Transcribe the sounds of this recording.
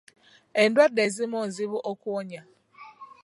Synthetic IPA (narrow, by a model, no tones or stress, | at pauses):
endwadezimonziβuʔokwoɲa